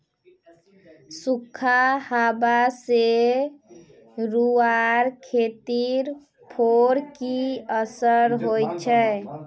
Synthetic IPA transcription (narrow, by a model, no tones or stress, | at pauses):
sukʰːahabase | ɾuaɾkʰet̪iɾ | pʰoɾkiəsəɾɦojt͡ʃʰɛ